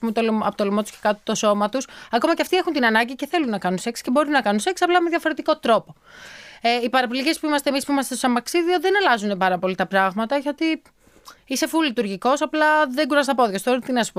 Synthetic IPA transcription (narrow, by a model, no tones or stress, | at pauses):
pumet̪olɐ̰pot̪olomot̪u̥sce̞kɐt̪it̪o̞so̞mɐt̪usɐko̞mɐceɐft̪iexunt̪inɐnɐɲɟice̞θe̞lunːɐkɐnunse̞ksce̞bo̞ɾunːɐkɐnunseksiɐplɐmeðʝɐfo̞ɾe̞t̪iko̞t̪ɾo̞po̞ | eipɐɾɐpilice̞spuimɐst̪emispuimɐst̪esosɐmɐksiðio̞ðenɐlɐzunepɐɾɐpo̞lit̪ɐpɾɐɣmɐt̪ɐiçot̪i | ise̞fulit̪uɾʝiko̞sɐplɐðeɡuɾɐzsnɐpo̞ðʝost̪oɾt̪inɐspo